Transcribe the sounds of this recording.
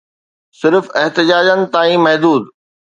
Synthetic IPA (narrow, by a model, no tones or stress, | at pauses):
sɪɾfɪɦt̪ɪd͡ʑaːd͡ʑənɪ̆t̪aːĩmɐɦd̪uːd̪